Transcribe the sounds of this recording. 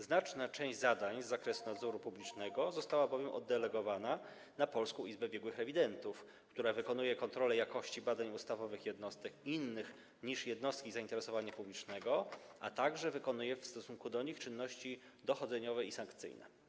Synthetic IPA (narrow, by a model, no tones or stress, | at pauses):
znat͡ʂnat͡ʂɛ̃ʑd͡ʑzad̪aɲzːakɾɛsunad̪zɔɾupublʲit͡ʂnɛɡɔzɔst̪awabɔvʲjɛmʔɔ̰d̪ːɛlɛɡɔvana | napɔlskɔ̃w̃izbɛbʲjɛɡwɘxɾɛvʲid̪ɛnt̪uf | kt̪uɾavɘkɔnujɛkɔnt̪ɾɔlɛjakɔɕt͡ɕibad̪aɲust̪avɔvɘxjɛd̪nɔst̪ɛkinːɘx | ɲiʂjɛd̪nɔst̪̚kʲizaint̪ɛɾɛsɔvaɲapublʲit͡ʂnɛɡɔʔa̰t̪aɡʐɛvɘkɔnujɛfst̪ɔsuŋkud̪ɔɲixt͡ʂɘnːɔɕt͡ɕid̪ɔxɔd̪zɛɲɔvɛisaŋkt̪sɘ̰jnɛ̰